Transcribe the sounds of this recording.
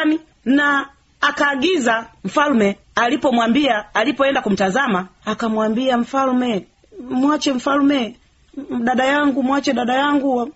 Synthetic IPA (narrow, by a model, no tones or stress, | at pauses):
ni | naː | kaːɡizam̩falmɛ | alipɔmwambiaːlipɔɛndakum̩tazamaːkamwambiam̩falmɛ | mwat͡ʃɛɱ̩falmɛ | ɗaɗajaŋɡumwat͡ʃɛɗaɗajaŋɡuwa